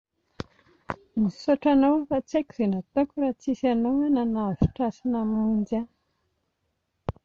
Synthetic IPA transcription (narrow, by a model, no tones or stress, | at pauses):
misoʈ͡ʂanowfat͡seki̥z̥enat̪okuɾat͡sisanowananavi̥ʈ͡ʂasinamund͡ʒa